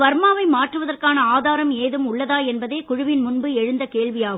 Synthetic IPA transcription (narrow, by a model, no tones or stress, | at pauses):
ʋɐɾmaːʋɐɪmaːʈrɯʋɐðɐrkaːnɐaːðaːɾɐmeːðɯmʊɭːɐðaːɛnbɐðeːkʊɻʊʋɪnmʊnbɯɛɻɯnd̪ɐkeːɭʋɪjaːɣɯ